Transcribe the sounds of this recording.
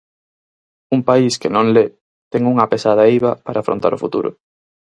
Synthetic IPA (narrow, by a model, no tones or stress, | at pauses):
umpaiskenõŋle | t̪ɛŋuŋɐpesað̞ɐiβɐpaɾʔaːfɾo̰nt̪a̰ɾʊfṵt̪ṵɾʔʊ̰